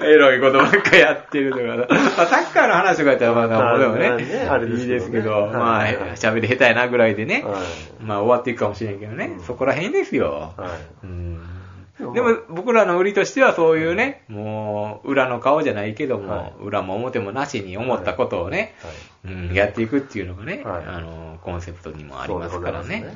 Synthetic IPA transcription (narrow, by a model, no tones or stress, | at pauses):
eɾo̞iko̞t̪omaŋkajat̪ːeɾɯ̟t̪okamaːsakːaino̞hanaɕiokait̪ːaɾamad̪ad̪emoneiːd̪e̞sɨ̥ke̞d̪o̞maːhɕabe̞ɾʲiɦe̞t̪ajanaɡɯ̟ɾaid̪e̞ne̞maːo̞βat̪ːe̞ikɯ̟kamo̞ɕinẽŋke̞d̪one̞so̞ko̞ɾaɦẽ̞nd̪e̞sɨjo̞̰ | ɯ̃ː | d̪e̞mo̞bo̞kɯ̟ɾano̞ɯ̟ɾʲit̪o̞ɕi̥t̪e̞βaso̞ːjɯ̟ːne̞mo̞ːɯ̟ɾano̞kao̞ʑanaike̞d̪o̞mo̞̰ɯ̟̰ɾamo̞ːmo̞t̪e̞mo̞naɕiɲ̟io̞mo̞t̪ːakot̪o̞ːne̞ | ɯ̟̃ɴjat̪ːe̞ikɯ̟t̪ʲːeɯ̟no̞ɡane̞a̰nokõ̞ɰ̃se̞pɯ̟̥t̪o̞ɲ̟imo̞̰a̰ɾimasɨ̥kaɾa̰ne̞